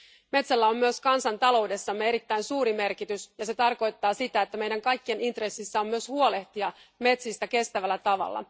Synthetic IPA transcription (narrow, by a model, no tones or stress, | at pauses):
me̞t̪sælːæo̞mːyøskɑnsɑnt̪ɑlo̞wde̞sːɑmːee̞ɾit̪ːæjnsuːɾime̞rkit̪ysjɑse̞t̪ɑrko̞jt̪ːɑːsit̪æet̪ːæme̞jdæŋkɑjkːie̞nint̪re̞sːisːæo̞mːyøshuo̞le̞ht̪iɑme̞t̪sist̪æke̞st̪æʋælːæt̪ɑʋɑ̰lːɑ̰